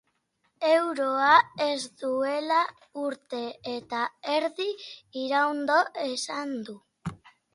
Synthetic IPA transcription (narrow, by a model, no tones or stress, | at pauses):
e̞wɾo̞ae̞zd̪ue̞la | uɾt̪e̞ːt̪ae̞ɾðiiɾawnd̪o̞ʔe̞sand̪u